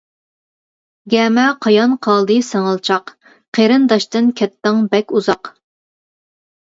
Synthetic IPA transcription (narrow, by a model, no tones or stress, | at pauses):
ɡʲɛmɛqʰɑjɑnqʰɑlˠd̪ɨsɛŋɑlˠt͡ʃʰɑq | qʰeɾɨnd̪ɑʃt̪ɨnkʲʰɛt̪ːɑŋbɛkʲuzɑq